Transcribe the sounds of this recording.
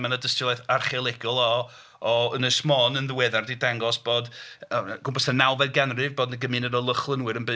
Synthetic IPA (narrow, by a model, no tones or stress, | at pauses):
manədəstɪlˠoθarχɛlˠɪɡ̥ʊlˠɔ | ɔənəsmɔːnənðəwɛðardidaŋɡɔsb̥oːdəɡ̥ʊmpʰɔsanawvɛdɡanrɨvboːdnəɡəmɨnənɔlˠəχlˠənwɨɾənbɨ